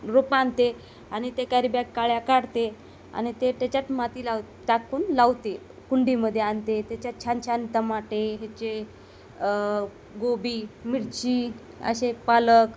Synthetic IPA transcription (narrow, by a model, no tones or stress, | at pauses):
ɾopãnt̪e | añit̪ekaɾibjakːaɭjakaɽt̪e | a̰nit̪eʈ̪at͡ɕat̪mat̪iːlawt̪ | ʈ̪akuːnlaʋt̪e | kuɳɖiməd̪ʱːjeant̪et̪jat͡ɕjat͡ɕʰant͡ɕʰant̪əmaʈeɦat͡ɕe | ɡobiːmiɽt͡ɕi | ə̰ɕepalək